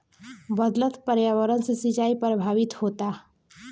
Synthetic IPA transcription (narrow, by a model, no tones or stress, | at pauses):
bəd̪lət̪pəɾjaːʋəɾənsesɪt͡ʃaːipɾəbʱaːʋɪt̪hoːt̪a